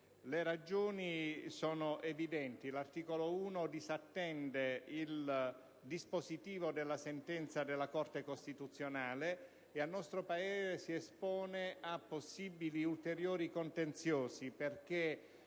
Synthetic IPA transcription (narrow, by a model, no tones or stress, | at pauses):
leɾad͡ʒɔːnisɔːnoʔevid̪ɛnt̪ilart̪iːkolouːnod̪izat̪ːɛnd̪eil | d̪ispozit̪iːvod̪elːasent̪ɛnt̪sad̪elːakɔrt̪ekost̪it̪ut̪sːjonaːle | ealnːɔst̪ɾopaeːzesiɛspɔːneapːosːibiliult̪eɾjoːɾikont̪ent̪sjɔːsiperk̟e